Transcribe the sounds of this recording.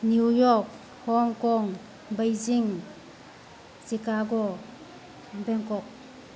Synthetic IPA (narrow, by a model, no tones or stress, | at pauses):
niujɔk̚ | hɔŋkɔŋ | bəjziŋ | sikaɡɔ | bɛŋkɔk̚